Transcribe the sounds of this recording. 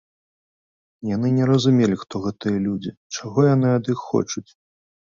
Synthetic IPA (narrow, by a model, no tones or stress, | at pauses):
jan̪ɨnʲɛɾɐzumʲelʲixt̪ɔɣɛt̪ɨjɐlʲud͡zʲit͡ʂaɣɔjanɨɐd̪ixːɔ̰t͡ʂut͡sʲ